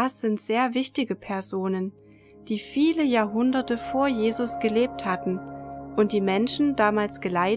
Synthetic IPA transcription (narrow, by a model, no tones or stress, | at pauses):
asz̥ɪntz̥eːɐvɪçtɪɡəpʰɛɐzoːnən | d̥iːfiːləjaːɐɦʊndɐtəfoːɐjeːzʊsɡ̥əleːp̚thatn̩ʔʊnt̚d̥iːmɛnʃn̩daːmaːlsɡ̥əlaɪ